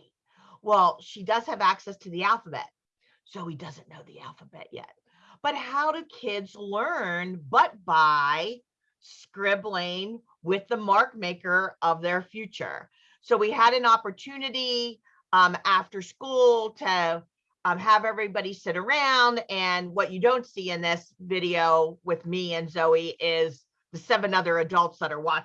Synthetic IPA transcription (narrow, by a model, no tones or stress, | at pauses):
wɛlˠʃidʌz̥ɨvæksɛstʰɨðiælˠfəbɛ̰t̚ | soʊidʌzɨ̃nnːoʊðḭæ̰lˠfəbɛ̰ʔ̚jɛ̰t̚ | b̥ʌt̚haʊɾɨkʰɪdzlɜ̃˞nbʌt̚b̥aɪ | skɹɪblˠɪ̃ŋ | wɪðəmɑɹk̚meɪkə˞ʔʌvðə˞fjʉt͡ʃə̰˞ | soʊwiəɾɨ̃nɑpə˞tʰʉnɨɾĩ | mæftə˞skulˠtʰɨ | əvɛvɹibɑɾisɪɾə˞ãʊ̃ndɨ̃nwʌt͡ʃɨdõʊ̃ntsiɨ̃nðɪsvɪɾioʊwɪðmiɨ̃nzoʊiʔɪz | ðɨsɛvɨ̃nʌðə˞ɨdʌlˠtsðəɾə˞wɑ